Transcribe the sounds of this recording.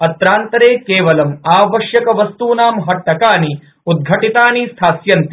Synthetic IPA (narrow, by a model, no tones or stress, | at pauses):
ɐt̪ɾaːnt̪ɐɾeːkeːʋɐlɐmaːʋɐʃjɐkɐʋɐst̪uːnaːmɦɐʈːɐkaːni | ud̪̚ɡʱɐʈit̪aːnist̪ʰaːsjɐnt̪i